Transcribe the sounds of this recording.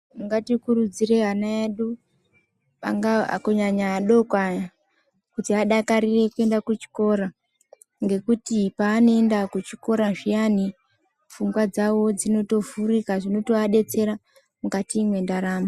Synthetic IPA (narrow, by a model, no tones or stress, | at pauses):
muŋɡatikurud͡zire̞ɦanaeɗu | pa̰ŋɡaa̰koɲaɲaɗo̞kwaɲa | kutiaɗakaɾire̞kue̞ndakut͡ʃi̥ko̞ɾa | ŋɡe̞kutipaːno̞endakut͡ʃiko̞ɾaʐijani | fuŋɡwad͡zawo̞d͡zino̞to̞vurikaʐino̞to̞aɗe̞t͡se̞ɾa | mukatimwe̞ndaɾaːma